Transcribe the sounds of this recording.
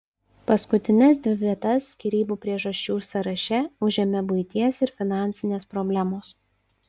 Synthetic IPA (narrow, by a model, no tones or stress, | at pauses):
pɐskʊt̪ʲɪnʲɛs̬d̪ʲʋʲɪʋʲiɛt̪ɐskʲiɾʲiːbuːpʲɾʲiɛʒɐʃʲt͡ʃʲuːsɐɾɐʃʲɛʊʒʲemʲɛbʊɪt̪ʲiɛsɪɾfʲɪnɑˑnʲt̪sʲɪnʲeːspɾɔbʲlʲæmoːs